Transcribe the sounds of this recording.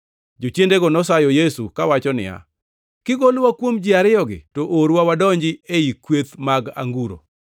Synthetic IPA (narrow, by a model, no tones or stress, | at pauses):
d͡ʒot͡ʃendeɡɔnɔsajɔjesukawat͡ʃɔnɪ̰ja̰ | kɪɡolwakwomd͡ʒɪaɾɪjɔɡɪ̰toʔoɾwawadɔɲd͡ʒɪeikwet̪maɡa̰ŋɡuɾo̰